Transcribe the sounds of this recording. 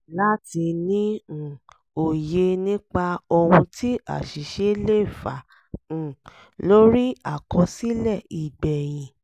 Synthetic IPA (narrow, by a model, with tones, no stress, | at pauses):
la˦ti˧nĩ˦˨ | o˨je˧nĩ˦k͡pa˧ɔ˧wũ˧tʰi˦a̰˦˨ʃi˨ʃe˦le˦˨fã˨ | lo˦ɾi˦a˦˨kɔ̃˧si˦lɛ˦˨i˨ɡ͡bɛ˨j̃ĩ˨